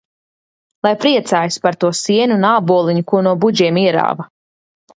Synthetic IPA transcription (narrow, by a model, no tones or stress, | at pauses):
lˠajpɾiɛt̪saːjispaɾt̪uɔsiɛnunaːbuɔlˠiɲukunuɔbud͡ʒiɛmiɛɾa̰ːvɐ